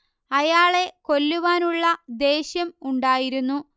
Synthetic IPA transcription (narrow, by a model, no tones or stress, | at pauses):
ɐjaːɭe̞ko̞lːuʋaːnuɭːɐd̪e̞ːɕjɐmuɳɖaːjiɾunːu